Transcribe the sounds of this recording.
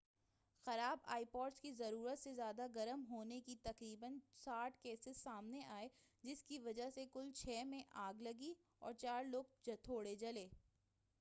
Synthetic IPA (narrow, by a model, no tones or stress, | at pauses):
xɐɾaːba̰ːipɔːʈskizɐɾuːɾət̪sezjaːd̪aɡɐɾəmɦoːnekit̪ɐqɾiːbənsaːʈʰkeːsɪzsaːmneʔaːe | d͡ʒɪskiʋɐd͡ʒəɦsekʊlt͡ʃʰɛːmẽʔaːɡlɐɡi | ɔ̰ːɾt͡ʃaːɾloːɡ̚d͡ʒɐt̪ʰoːɽed͡ʒɐleː